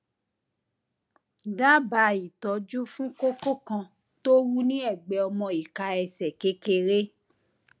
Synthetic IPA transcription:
da˦ba˧i˨tɔ˨˦d͡ʒu˦fũ˦ko˦ko˦kã˧ | to˦wu˦nĩ˦ɛ˦˨ɡ͡bɛ˨ɔ˧mɔ̃˧i˨ka˧ɛ˧sɛ˨ke˦ke˧ɾe˦

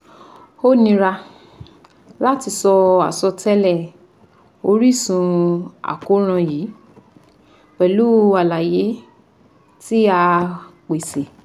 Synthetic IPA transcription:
o˦˨nĩ˧ɾa˧ | la˦ti˧sɔ˧a̰˨sɔ˧tʰɛ˦lɛ˦˨ | o˧˦ɾi˦˨sũ˧a̰˨ko˦ɾ̃ã˧jiː˨˦ | k͡pɛ˨lu˨˦a˨la˨je˨˦ | ti˦a˧k͡pe˨se˨

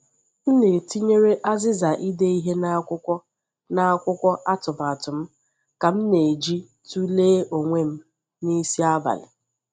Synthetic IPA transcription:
m̩˦ne˨ti˦ɲe˦ɾe˦ʔa˦zɪ˦za˨ʔi˦de˦i˦ɦe˦na˦kʊ˦kʷɔ˦ | na˦kʷʊ˦kʷɔ˦ʔa˦tʊ˨m˨a˨tʊ˨m̩˦ | ka˨m̩˦ne˨d͡ʒi˦ | tu˦leː˦o˨ŋʷe˦m̩˦ | ni˦si˦a˦ba̰˨lɪ̰˨

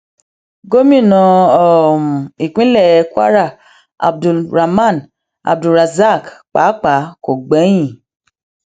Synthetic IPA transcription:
ɡo˦mĩ˦˨nɔ̃˧ɔ˨mũ˨i˨k͡pĩ˨˦lɛ˦˨˧ka̰˦ɾa˦˨ | a̰˨b̚du˨lɾa˨mã˦˨n | a̰˨b̚du˨ɾa˨za˦˨kk͡pa˨˦k͡pa˨˦ko˨ɡ͡bɛ˨˦j̃ĩ˦˨

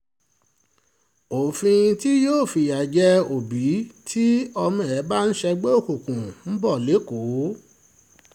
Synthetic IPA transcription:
o˨fĩ˧ti˦joː˦˨fi˧˨ja˨d͡ʒɛ˦o˨bi˨˦tʰi˦ɔ˧mɛ̃˨ɛ˨˦ba˦n̩˦ʃɛ˧ɡ͡be˦o˦˨ku˨kũ˨m̩˦bɔ˦˨le˨˦ko˨˦

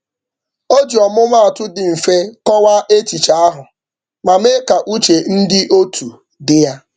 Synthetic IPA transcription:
o˦d͡ʒi˨ɔ˨mʊ˦ma˦a˨tʊ˦dɪ˨m̩˨fe˦kɔ˦wa˦ʔe˦t͡ʃi˨t͡ʃa˦a˦ɦʊ˨ | ma˨me˦ka˨ʔu˦t͡ʃe˨n̩˦dɪ˦ʔo˦tʰu˨ | dɪ˦ja˦

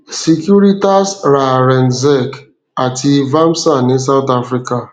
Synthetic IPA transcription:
si˨kju˦ɾi˦ta˦sɾa˨ɾɛ˨nzɛ˦˨k | a˨ti˨˦va˦m̩˦sa˦˨ni˨˦s̬a˦ʊ˦ta˦fɾi˦ka˨

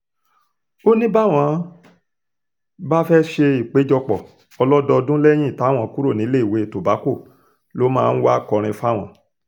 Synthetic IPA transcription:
o˦nĩ˦ba˦˨w̃ɔ̃˨˦ | ba˦fɛ˦ʃe˧i˨k͡pe˨˦d͡ʒɔ˧k͡pɔ˨ | ɔ˧lɔ˦dɔ˧dũ˦lɛ˦j̃ĩ˦i˨ta˨˦˨w̃ɔ̃˨˦ku˦ɾo˦˨nĩ˨˦le˦i˨we˨˦˨to˨ba˨˦ko˦˨ | lo˨˦mãː˦˧n̩˦wa˦kɔ˧ɾ̃ĩ˧fa˦˨w̃ɔ̃˨˦

